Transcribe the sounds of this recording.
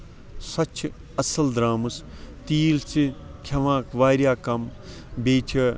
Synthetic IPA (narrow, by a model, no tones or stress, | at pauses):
sɐt͡ʃʰ | ɐsɐld̪ɾaːmɨs | t̪iːlt͡sikʰɐʋãːkʰʋaːɾjaːkɐm | beːt͡ʃʰɐ